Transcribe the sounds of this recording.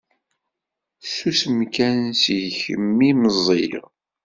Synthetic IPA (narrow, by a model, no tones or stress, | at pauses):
susəmkænnsʝçəmːiməzˤḭʁ